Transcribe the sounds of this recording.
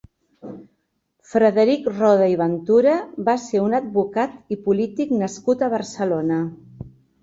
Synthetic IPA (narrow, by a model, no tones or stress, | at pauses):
fɾəðəɾikrɔð̞əiβənt̪uɾəbaseunəd̪̚bukat̪ipulit̪iknəskut̪əβ̞əɾsəlonə